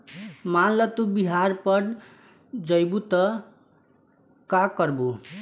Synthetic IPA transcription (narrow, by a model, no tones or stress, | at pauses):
malʌt̪ubiɦarpʌɽ | d͡zʌjbut̪ʌ | kakʌrbu